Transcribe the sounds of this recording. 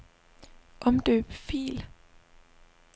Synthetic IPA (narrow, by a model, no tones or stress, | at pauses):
ʔɒ̽md̥ø̰ːb̥fḭːl